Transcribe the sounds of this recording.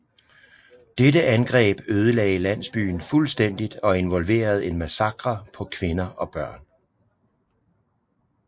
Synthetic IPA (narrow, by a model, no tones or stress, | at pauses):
d̥edəʔænɡ̥ʁɛ̰ːb̥øːð̞ˠəlɛ̰ːɪlæn̰sb̥y̰ːn̩fulsd̥en̰d̥id̥ɒ̽e̝nʋɒ̽lʋe̝̰ːɐð̞̩ˠe̝nmæsɑ̈ɡ̥ʁɐpʰɒ̽kʰʋe̝nɐʔɒ̽b̥ɶɐ̰n